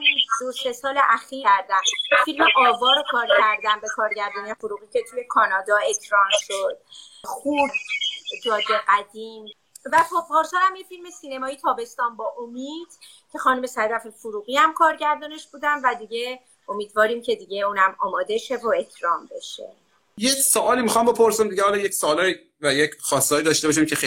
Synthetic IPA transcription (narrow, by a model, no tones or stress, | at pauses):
id̪ose̞sɒːleʔæxiɾæɾd̪æmfilmeʔɒːvɒːɾokʰɒːɾcʰæɾd̪æmbe̞kʰɒːɾɟæɾd̪ɒːnefoɾuːɣiːcʰe̞t̪ʰuje̞kʰɒːnɒːd̪ɒːe̞cʰɾɒːnʃod̪̥̚ | xuːbd͡ʒɒːd̪eɡæd̪iːm | væpopʰɒːɾsoɾæmjefilme̞siːne̞mɒːit̪ʰɒːbe̞st̪ɒːnbɒːʔomiːd̪̥ | cʰe̞xɒːnume̞sæd̪æfifuɾuːɣiæmkʰɒːɾɟæɾd̪ɒːne̞ʃb̥uːd̪ænvæd̪iɟe̞ | o̞miːd̪vɒːɾiːmcʰe̞d̪iɟe̞uːnæmɒːmɒːd̪e̞ʃevoe̞cʰɾɒːmbe̞ʃe̞̰ | jecsoʔɒːlimixɒmbe̞pʰoɾsimd̪iɟehɒːlɒjecsoːlɒi | væjecxɒːst̪ɒːjiːd̪ɒʃt̪ebɒːʃimcʰexe